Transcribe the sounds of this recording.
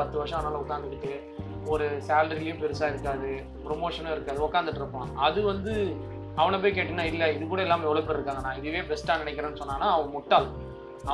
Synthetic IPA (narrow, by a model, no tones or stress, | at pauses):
ɐt̪ːɯʋɐɾʂɐ̃naːlɐʊkːaːnd̪ɯʈːɯʈːɯ | ɔɾɯsaːlɖɐɾɪlɐjʊ̃pɛɾɯsaːɪɾɯkːaːðɯ | pɾɔmoːʂɐnɯ̃ɪɾɯkːaːðɯʊkːaːnd̪ɯʈːɪɾɯpːõːɐðɯʋɐnd̪ɯ | ɐʋɐɳɐp̬oːjkeːʈːɯnːaːɪlːɛɪðɯkuːɽɐɛlːaːmɐɛʋɐɭɐpːɐɽɪɾɯkːaːŋɡɐnːaːɪðɯʋeːbɾɛsʈaːnɪnɛɪkːɪɾɐ̃ːnːɯsɔnːaːnːaːɐʋɐ̃mʊʈːaːl | ɐ